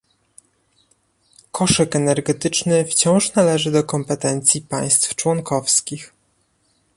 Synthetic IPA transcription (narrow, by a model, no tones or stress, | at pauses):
kɔʂɛkɛnɛɾɡɛt̪ɘt͡ʂnɘft͡ɕɔ̃w̃ʂnalɛʐɘd̪ɔkɔmpɛt̪ɛnt̪sʲjipaj̃st̪ft͡ʂwɔŋkɔfskʲix